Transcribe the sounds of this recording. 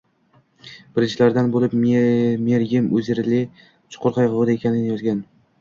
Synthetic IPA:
b̥ɪɾɪnt͡ʃʰɪlaɾd̪anbolɪpmeɾjʲɪmɵzjeɾlɪ | t͡ʃʰʊ̥qʰʊɾqʰɑjqoʁd̪aekʲanɪnɪjɒzɡʲan

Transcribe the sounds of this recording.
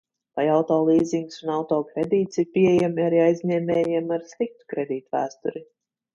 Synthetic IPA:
vajawt̪ɔːlˠiːziŋɡsunawt̪ɔːkɾed̪iːt̪siɾpʲiɛjamiaɾiajzʲɲʲɛːmʲɛːjiɛmaɾslik̚t̪u̥kɾed̪iːt̪væ̰ːst̪uɾi

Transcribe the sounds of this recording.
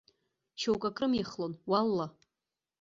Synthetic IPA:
t͡ʃʰowkʼakʼrɨmiχlonwalːa

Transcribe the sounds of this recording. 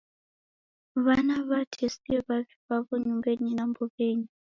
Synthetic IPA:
βanaβatʰesiɛβaβiβaβɔɲumbeɲinambɔβeɲi

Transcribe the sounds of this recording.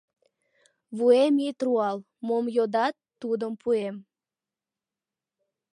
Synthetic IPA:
βuemit̪ruɑl | momjod̪ɑt̪ːud̪əmpʰuem

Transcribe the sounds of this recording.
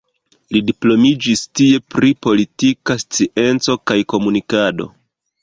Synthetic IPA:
lidiplo̞mid͡ʒistie̞pɾipo̞litikast͡siʔe̞nt͡so̞kajko̞munikado̞̰

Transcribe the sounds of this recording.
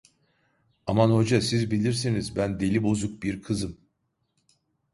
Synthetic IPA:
amanho̞d͡ʒasizbilʲiɾs̬inizbænd̪e̞lʲibo̞zuk̚biɾkʰɯzɯm

